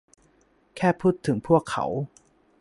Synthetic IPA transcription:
kʰɛː˥˩pʰuː˥˩t̪ʰːɯ˩˦ŋpʰu˥˩əkʰːa̰˨˩˦w

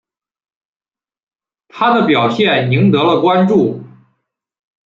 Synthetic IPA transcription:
t̪ʰa˥d̪ə˨pjɑ˨˩ʊɕjɛ˥˩ni˧˥ŋt̪ɤ˧˥lə˨kwa˥nʈ͡ʂu˥˩

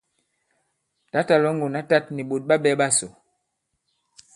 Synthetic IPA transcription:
ta˨˦ta˨lɔ˦ŋɡo˨na˦ta˦t̚ni˨ɓo˨t̚ɓa˦ɓɛ˦ɓa˦so˨

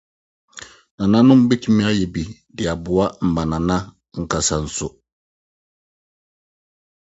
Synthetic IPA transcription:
nã˨nã˦nʊ̃˦m̩˦be˦tʰu˦mĩ˦a˦jɛ˨bi˨ | dɪ˨a˨bʊ˨a˦m̩˨bã˨nã˨nã˦ | ŋ̩˨kʰa˨sa˨n̩˨sʊ˨

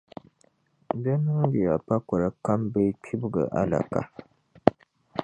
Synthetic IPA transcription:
bɛ˦nu˦ɡi˨ja˨pa˦kɔ˨ɾa˨ka˦mbɛ˦tʰi˦bɨ˦ɡɨ̰˨ʔa̰˦la̰˨ka̰˨

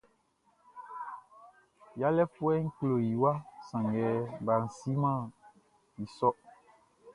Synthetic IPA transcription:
ja˦lɛ˦fu˦ɛ˦ŋ̩˦klo˨ji˨wa˦sã˨ŋɡɛ˨ba˨n̩˨si˦mã˦˨ | i˨sɔ˦

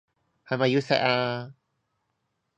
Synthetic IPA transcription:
ha˧ma˧ju˦sa̰˧ʔa˧

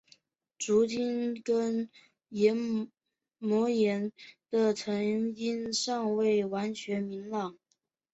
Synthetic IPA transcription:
ʈ͡ʂu˧˥t͡ɕi˥nkə˥n | jɛ˧˥n | mwɔ˧˥jɛ˧˥nd̪ə˧t͡sʰɤ˧˥ŋi˥nʂɑ˥˧ŋwe˥˩ɪwa˧˥nt͡ɕʰɥɛ˧˥nmi˧˥ŋlɑ˨˩˦ŋ

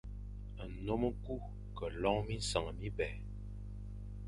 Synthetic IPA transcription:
ə˨no˦m˦ku˦ | kə˨lɔ˦ŋmi˦sa˨ŋ˨mi˦bɛ˨

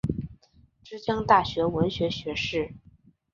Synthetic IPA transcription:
ʈ͡ʂɻ̩˥t͡ɕjɑ˥ŋt̪a˥˩ɕɥɛ˧˥wə˧˥nɕɥɛ˧˥ɕɥɛ˧˥ʂɻ̩˥˩

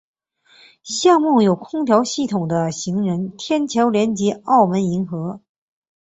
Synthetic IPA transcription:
ɕjɑ˥˧ŋmu˥˩jo˨˩ʊkʰʊ˥ŋt̪ʰjɑ˧˥ʊɕi˥˩t̪ʰʊ˨˩ŋd̪ə˦ɕi˧˥ŋɻə˧˥nt̪ʰjɛ˥nt͡ɕʰjɑ˧˥ʊljɛ˧˥nt͡ɕjɛ˧˥ɑ˥˩ʊmə˧˥ni˧˥ŋxɤ˧˥

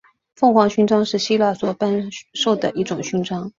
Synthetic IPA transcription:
fɤ˥˩ŋxwɑ˧˥ŋɕy˧˥nʈ͡ʂɑ˥ŋʂɻ̩˥˩ɕi˥la˥˩swɔ˧˥pa˥nʂo˥˩ʊd̪ə̰˨˩ʔi˥˩ʈ͡ʂʊ˨˩ŋɕy˧˥nʈ͡ʂɑ˥ŋ

